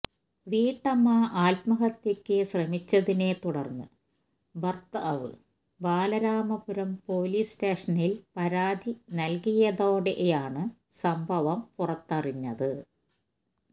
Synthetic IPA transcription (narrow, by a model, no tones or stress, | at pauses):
ʋiːʈːɐmːaːʔaːlt̪mɐɣɐt̪ːekʲːɨɕrɐmit͡ɕːɐðine̞t̪uɽɐrnːɨ̰ | bɐrt̪ːɐʔɐʋɨ̰ | baːlɐɾaːmɐpuɾɐmpo̞ːliːsteːʂɐnilpɐɾaːd̪ʱinɐlkijɐðo̞ːɽeʔjaːɳɨ | sɐmbʱɐʋɐmpurɐt̪ːɐriɲːɐðɨ